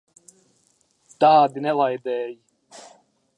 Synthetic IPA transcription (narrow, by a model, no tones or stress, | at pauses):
d̪̥aːd̪inɛlajd̪ɛːj